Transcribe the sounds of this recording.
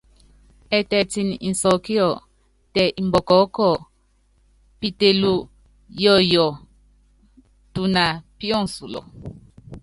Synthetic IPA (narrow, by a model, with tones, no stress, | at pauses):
ɛ˨tɛ˨ti˨n˨ḭ˨n̩˨sɔ˨ki˦ɔ˨ | tɛ˨ʔi˨mbɔ˨kɔ˨˦kɔ˨ | pi˨te˨lu˦ | jɔ˦˨jɔ˨ | tu˨na˨pi˦ɔ˦n˨su˨lɔ̰˨